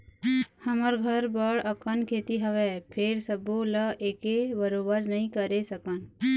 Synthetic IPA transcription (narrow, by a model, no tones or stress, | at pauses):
hɐməɾɡʱəɾbəɽəkənkʰeːt̪iɦɐʋɛpʰɪɾsəboləeːkebəɾoːbəɾnɐɦĩkəɾesəkən